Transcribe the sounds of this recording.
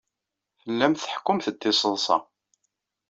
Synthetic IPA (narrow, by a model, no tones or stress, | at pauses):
θəlːæmθə̥ħkːʊmθət̪ːɪsˤəðˤsɑ̰